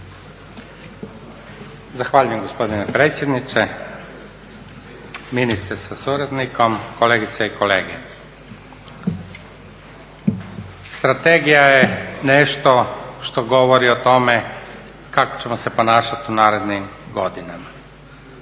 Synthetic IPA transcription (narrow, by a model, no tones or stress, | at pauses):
zaxʋaːʎujemɡo̞spo̞d̪inepɾeːt̪sje̞d̪nit͡ʃ̪e | minist̪ɾesasuɾed̪niko̞mkoleːɡit̪seiko̞lḛːɡe | st̪ɾat̪eɡijajeneʃt̪o̞ʃt̪o̞ɡo̞ʋoɾiot̪o̞me | kako̥t͡ɕe̞mose̞po̞naːʃat̪unaːɾe̞d̪nimɡo̞d̪inama